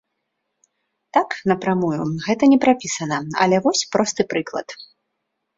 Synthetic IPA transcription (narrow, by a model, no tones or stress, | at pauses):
t̪aknɐpɾamujuɣɛt̪ɐnʲɛpɾapʲisɐnɐɐ̰lʲɛvɔsʲpɾɔst̪ɨpɾɨklˠɐ̰t̪